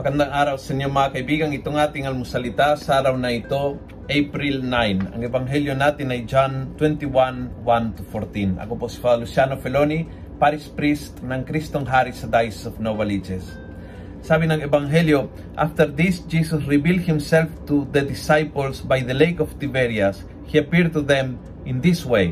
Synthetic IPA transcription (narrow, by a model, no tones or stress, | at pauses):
pɐkɐnd̪aŋʔaːɾawsɛnomɐakɐjbiːɡɐŋɪt̪oŋaːt̪ɪŋɐlmʊsɐlɪt̪asaɾawnɐɪt̪o | ʔejpɾilnajnɐ̰ŋɛbaŋɦɛljonaːt̪ɪnajd͡ʒant̪wɛnt̪iwanwant̪ufoɾt̪inʔɐ̰koposfalusjanofɛloni | paɾispɾist̪nɐŋkɾist̪oŋɦaɾisad̪ajsɔfnobalid͡ʒɛsː | abɪnɐŋɛbaŋɦɛljo | ʔa̰ft̪ɛɾd̪isd͡ʒisosɹɪbild̪̚hɪ̃msɛlft̪uðɐd̪ɪsajpolsbajðɐlejkɔft̪ibɛɹjas | hiapiɹt̪uðɛ̃m | ʔɪ̃nd̪iswej